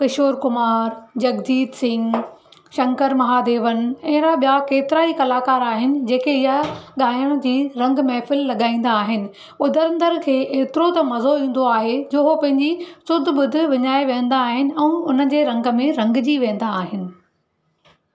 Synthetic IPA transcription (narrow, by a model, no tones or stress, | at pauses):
kɪʃoːɾkʊmaːɾd͡ʑɐɡd̪iːd̪sɪ̃ŋɡ | ʃɐ̃ŋkəɾmɐɦaːd̪eːʋənɪ̆ɛ̃ːɾaɓijakeːt̪ɪɾaikɐlaːkaːɾaːɦɪnɪ̆d͡ʑeːkeɪɦaɠaːjəɽ̃d͡ʑiːɾɐ̃ŋɡmẽfɪlːɐɠaːĩːn̆d̪aːɦɪnɪ̆ | ʊd̪ʱəɾɐ̃nd̪əɾkʰeːʔeːt̪ɪɾot̪ɐmɐzoĩːn̆d̪oaːɦed͡ʑoːɦopɐ̃ɦɪ̃ɲd͡ʑisʊd̪̆ʱɓʊd̪ʱɪ̆ʋɪɲaːeʋẽːə̃n̆d̪aːɦɪnɪ̆ɛ̃ũːʊnəd͡ʑeːɾɐ̃ŋɡə̆mẽɾɐ̃ŋɡd͡ʑiʋẽːn̆d̪aːɦɪnɪ̆